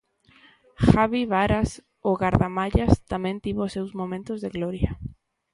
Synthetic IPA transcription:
xaβiβaɾas | oɣaɾðamaʎast̪amẽnt̪iβosewzmomẽnt̪ozðeɣlɔɾja

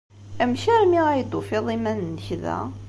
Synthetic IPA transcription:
æmʃæɾmiʁæjd̪ufiðˤimænnːəçðæ̰

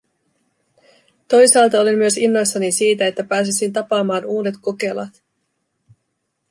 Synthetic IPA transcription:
t̪o̞jsɑːlt̪ɑo̞linmyø̞sinːo̞jsːɑnisiːt̪æe̞t̪ːæpæːs̬isint̪ɑpɑːmɑːnuːde̞t̪ko̞ke̞lɑ̰t̪

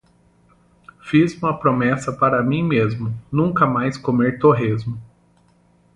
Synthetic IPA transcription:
fizũmɐpɾomɛsɐpaɾɐmĩmezmʊnũkɐmajskomeɾt̪oɦezmʊ

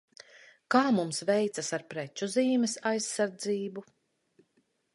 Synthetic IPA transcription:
kaːmumsvɛjt̪sasaɾpɾɛt͡ʃuziːmɛsajsːaɾd̪ziːbu

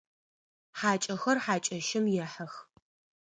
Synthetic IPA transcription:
ħaːt͡ʃʼɐxɐrħaːt͡ʃʼɐʃɪmjɛħɐx

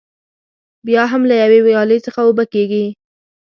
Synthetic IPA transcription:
bjɑɦamlajawewjɑləjt͡səxaobakeɡi

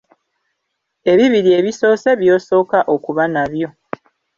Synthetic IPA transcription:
e̞βiβiɾie̞βiso̞ːse̞βjo̞ːso̞ːkaʔo̞kuβanaβjo̞

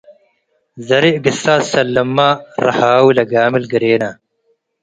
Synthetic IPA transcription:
zɐɾiʔɡisaːsɐlːɐmːaːɾɐ̰haːwulɐɡaːmilɡɐɾeːnaː

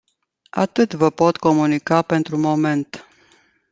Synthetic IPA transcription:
a̰t̪ɨt̪vəpo̞t̪ko̞munikape̞nt̪ɾumo̞me̞nt̪

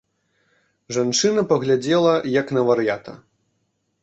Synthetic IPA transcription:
ʐant͡ʂɨnɐpɐɣlʲad͡zʲɛlˠɐjɐknɐvɐɾjat̪ɐ̰

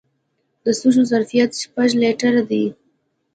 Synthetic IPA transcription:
d̪̥əsuʒozaɾfijat̪ʃpaʒleʈaɾad̪i

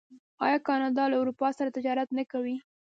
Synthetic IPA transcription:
ɑ̰jɑkɑnɑd̪ɑlaʊɾupɑsaɾat̪ɪd͡ʒɑɾat̪nakawi

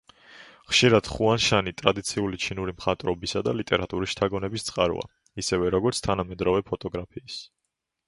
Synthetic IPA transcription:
χʃiɾad̪̥χuanʃanit̪ʼɾad̪it̪sʰiulit͡ʃʰinuɾimχat̪ʼɾɔbisad̪alit̪ʼɛɾat̪ʼuɾisʃt̪ʰaɡɔnɛbist̪sʼqʼaɾṵa̰ | isɛvɛɾɔɡɔɾt̪sʰt̪ʰanamɛd̪ɾɔvɛpʰɔt̪ʼɔɡɾapʰiːs

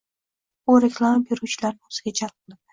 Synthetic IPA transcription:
uɾeklˠamabeɾut͡ʃʰɪlaɾnɪoz̥ɪɡʲad͡ʒalˠp̚ʰɨlˠɪb̪

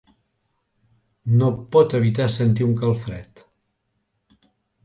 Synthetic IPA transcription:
nopɔt̪əβ̞it̪asənt̪iuŋkəlˠfɾɛ̰t̪

